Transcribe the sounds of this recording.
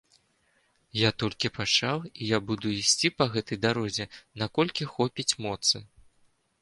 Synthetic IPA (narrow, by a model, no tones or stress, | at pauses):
jat̪ɔlʲkʲipat͡ʂawijabud̪uisʲt͡sʲipɐɣɛt̪ɐjd̪aɾɔzʲɛnakɔlʲkʲixɔpʲit͡sʲmɔt̪sɨ